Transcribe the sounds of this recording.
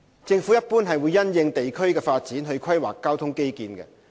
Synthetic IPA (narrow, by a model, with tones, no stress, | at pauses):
t͡sɪ˧ŋfuː˨˥jɐ˥t̚puː˥nɦɐ˨jwuː˨˧jːɐ˥njɪ˧ŋt̪e˨jkʰɵ˥ɥkɛː˧faː˧t̚t͡siː˨˥nɦɵ˧ɥkʰɐ˥jwa̰ː˨˩kːaː˥wt̪ʰʊ˥ŋke˥jkiː˨nkɛ̰˧